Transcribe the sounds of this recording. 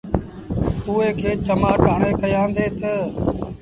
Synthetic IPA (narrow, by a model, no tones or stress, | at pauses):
ʊːeːkʰeːt͡ʃəmaːʈaːɳeːkəjãːnd̪eːt̪ə